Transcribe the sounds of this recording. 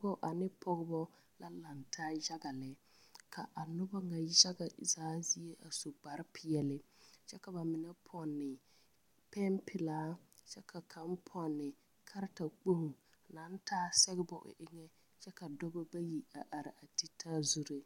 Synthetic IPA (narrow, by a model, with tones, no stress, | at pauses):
ɡɔ˦ʔa˨nɪ˦pʰɔ˦ɣɪ˦bɔ˦ | la˦la˨ntʰaː˦d͡ʒa˦ɡa˨lɪ˨ | kʰa˨ʔa˨nʊ˦ba˦ŋa˨d͡ʒa˦ɡa˨zaː˨˦zi˦e˦ʔa˨so˨ɡ͡ba˨ɾɪ˦pʰɪ˦jɛ˨lɪ˨t͡ʃɛ˦ka˨ba˨mɪ˨nɛ˦pʰɔ˨nːɪ˨ | pɛ˦mpʰɪ˨laː˨˦t͡ʃɛ˦kʰa˨kʰa˨˦m˦pʰɔ˨nːɪ˨ | kʰa˦ɾta˨k͡po˦h | na˨˦n˦tʰaː˦sɛ˦ɣɪ˦bɔ˦ʔʊ̰˨ʔɪ˦ŋɛ˦ | t͡ʃɛ˦ka˨dɔ˦bɔ˦ba˦ji˨a˨ʔa˨ɾɪ˨a˨ti˦tʰa˦zu˦ɾe˦